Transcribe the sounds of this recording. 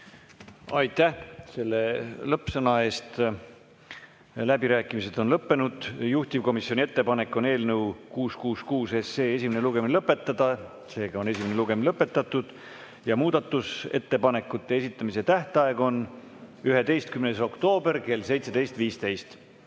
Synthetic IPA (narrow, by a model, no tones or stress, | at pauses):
ɑjt̪ːæhse̞lːe̞lɤpsɤnɑe̞ːst̪ | læbiɾæːkːˑimise̞d̪̥o̞nlɤpːe̞nud̪̥juht̪ʲivko̞misjonie̞t̪ːe̞pɑne̞kːˑo̞ne̞ːlnewkuːskuːskuːse̞se̞ːesʲimene̞luɡ̥e̞minlɤpːˑe̞t̪ːˑɑd̪̥ɑ | se̞ːɡ̥ɑo̞ne̞sʲimeneluɡ̥e̞minlɤpːˑe̞t̪ːˑɑt̪ːˑud̪̥ | jɑmuːd̪̥ɑt̪ːˑuse̞̰t̪ːe̞pɑne̞kːˑut̪ˑːe̞esit̪ːˑɑmise̞t̪æht̪eɑe̞ɡo̞n | yɦe̞t̪e̞jst̪̚kymneso̞kt̪o̞ːbe̞rke̞lse̞jt̪se̞d̪e̞jst̪viːst̪e̞jst̪